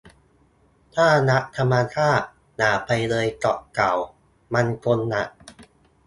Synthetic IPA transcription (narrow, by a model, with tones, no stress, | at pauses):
t̪ʰaː˥˩na˦˥ʔ̚t̪ʰa˧mːa˧kʰaː˥˩k̚ | naː˩˦pa˧jlɤː˧jkɔ˨˩ʔka˨˩w | ma˧nkʰo˧nːa̰˨˩ʔ